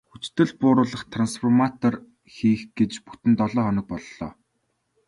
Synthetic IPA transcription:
xut͡ɕt̪ɘ̆ɮpʊːɾʊːɮə̆χt̪ʰransfɔrmat̪ɔr | xiːxɡ̥et͡ɕpu̥t̪ɘ̆nt̪ɔɮɔːχɔnɞ̆k̚pɔɮːɔ̰ː

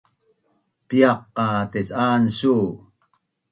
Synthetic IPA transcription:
pjɑqːɑt̪et͡saːnsu

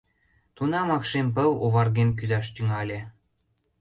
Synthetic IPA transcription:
t̪unɑmɑkʃemp̬ə̆woβɑrɣenk̬yzɑʃt̪yŋɑlʲĕ

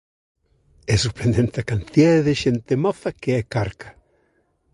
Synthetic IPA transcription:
ɛsuɾpɾend̪ent̪akant̪iaððɪʃent̪emɔθɐkeɛkaɾkḁ

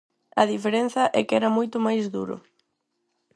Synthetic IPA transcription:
ɐðifeɾen̟θɐʔɛkɪɛɾɐmojt̪ʊmajzðṵɾʊ̰

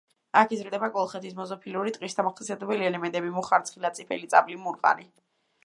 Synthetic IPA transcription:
akʰizɾd̪ɛbaɡʼɔlˠχɛt̪ʰismɔzɔpʰiluɾit̪ʼqʼwisd̪amaχsʰiat̪ɛbɛliɛlɛmɛnt̪ʼɛbimuχaɾt̪sʰχilat̪sʼipʰɛ̰lit̪sʼablimuɾqʼa̰ni

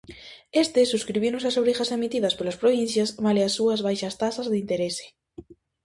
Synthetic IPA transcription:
est̪esːuskɾiβ̞iwnosasoβɾixasemit̪iðɐspolaspɾoβ̞in̟θjasβaleasːuɐzβajʃɐst̪asazðeint̪eɾese̥

